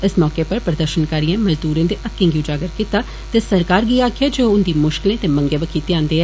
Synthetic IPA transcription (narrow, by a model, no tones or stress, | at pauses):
ɪsmɔːkeːpəɾpɾəd̪əɾʃənkaːɾiẽːməld̪uːɾẽːd̪eːʔəkːɪ̃ŋɡiud͡ʒaːɡəɾkiːt̪aː | t̪eːsəɾkaːɾɡiːaːkʰɪjaːd͡ʒoːʊnd̪iːmʊʃkɪlẽːt̪eːmə̃ŋɡeːʋəkʰiːt̪eãːnd̪eːɛː